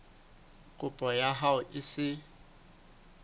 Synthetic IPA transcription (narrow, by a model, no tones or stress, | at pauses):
kʼʊpʼɔjaɦaʊʔɪsɪ